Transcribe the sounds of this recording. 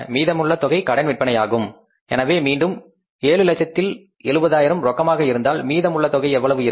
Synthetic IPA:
miːðɐmɯɭːɐt̪ɔɣɐɪkɐɽɐɪnʋɪʈ̚pɐɳɐjaːɣɯm | ɛ̰nɐʋeːmiːɳɖɯm | eːlɯlɐt͡ʃːɐt̪ːɪl | ɛɭɯbɐðaːjɪɾɐmɾɔkːɐmaːɣɐɪɾɯnd̪aːlmiːðɐmʊɭːɐt̪ɔɣɐɪɛʋːɐɭɐʋɯɪɾ

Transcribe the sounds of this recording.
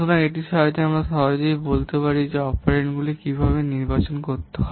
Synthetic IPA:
oɾaeʈiʃɔt̪eamɾaʃɔd̪oibolt̪epaɾid͡ʑeɔfʰaɾeɳʈɡulikibʱaβeniɾbat͡ɕonkoɾt̪eɦɔe

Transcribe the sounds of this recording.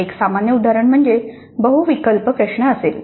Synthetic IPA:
eksamanjəud̪ʱaɾəɳm̤əɳd͡ʑe | bəɦuʋikəlpəkɾəʂɳaəsel

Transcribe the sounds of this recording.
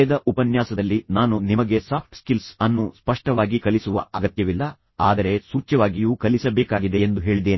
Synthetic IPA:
d̪ɐʔupɐnjaːsɐd̪ɐlːinaːnunimɐɡe̞saːp̚ʰʈskilsɐnːuspɐʂʈɐʋaːɡikɐlisuʋɐ̰ɐɡɐt̪jɐʋilːɐ | a̰ːd̪ɐɾe̞suːt͡ʃːɐʋaːɡijuːkɐlisɐbeːkaːɡid̪e̞end̪uɦe̞ːɭid̪eːni

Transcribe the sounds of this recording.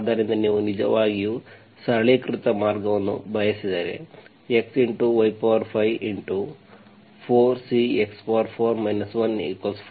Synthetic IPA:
d̪aɾind̪ɐniːʋunid͡ʒɐ̰ʋaːɡiju | sɐɭeːkɾut̪ɐmaːɾɡɐʋɐnːṵbʱɐjɐsid̪eːɾḛ | e̞ksiɳʈuʋɐjpaːʋɐɾpʰɐjʋiɳʈu | pʰoːɾsiekspaːɾpʰoːɾmɐjnɐsʋɐnḭkos

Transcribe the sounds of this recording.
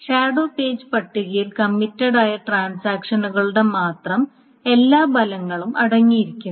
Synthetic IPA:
ʂaːɽo̞ːpe̞ːd͡ʑɨpɐʈːiɣɐjilkɐmːitːɐɽaːjɐʈraːnsaːkʂɐnuɣɐɭuɽe̞maːt̪rɐm | e̞lːaːbɐlɐŋːɐɭumʔɐɽɐŋːijiɾikʲːum

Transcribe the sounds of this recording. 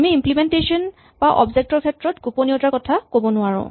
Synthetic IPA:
amiimplimɛntesɔn | baʔɔ̰bzɛk̚tɔɹkʰɛtɹɔtɡupɔniɔtakɔtʰakobɔnʊaɹɔ̰̃

